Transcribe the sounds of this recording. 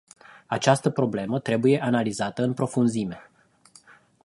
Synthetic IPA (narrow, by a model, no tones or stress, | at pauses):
at͡ʃast̪əpɾo̞ble̞mət̪ɾe̞buje̞ʔanalizat̪əɨnpɾo̞funzime̞